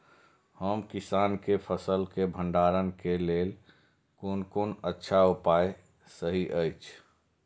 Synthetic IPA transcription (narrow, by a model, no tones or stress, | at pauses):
həmkisaːnkepʰəsəlkebʱə̃ɳɖaɾənkelel | konkonətːʃʰaupaj | səɦiʔəjt͡ʃʰ